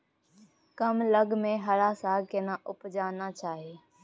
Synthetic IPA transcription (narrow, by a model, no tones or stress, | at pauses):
kəmləɡmẽɦəɾaːsaːkenãːʔʊpd͡ʒaːnaːt͡ʃʰaːɦeː